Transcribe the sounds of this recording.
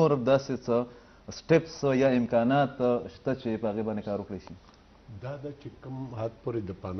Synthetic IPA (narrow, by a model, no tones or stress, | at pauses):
oɾd̪ɑset͡sə | sʈɪpsjɑɪmkɑnɑt̪ʃt̪at͡ʃepəhaɣebɑnd̪ekɑɾwəkɽejʃi | d̪ɑd̪at͡ʃekəmhad̪̚poɾed̪əpan